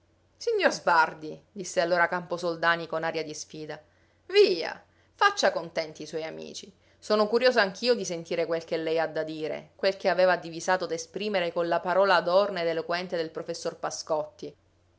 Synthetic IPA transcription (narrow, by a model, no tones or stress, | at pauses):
siɲːorzbard̪id̪isːealːoːɾakamposold̪aːnikonaɾjad̪isfiːd̪a | viːa̰ | fat͡ʃːakont̪ɛnt̪iswɔjamḭːt͡ʃi | soːnokuɾjoːzoaŋk̟ʰiːod̪isent̪iːɾekwelk̟elːɛjad̪ːad̪iːɾḛkwelk̟eaveːvad̪ivizaːt̪od̪espɾiːmeɾekonlapaɾɔːlad̪ɔrned̪elokwɛnt̪ed̪elpɾofesːorpaskɔt̪ːi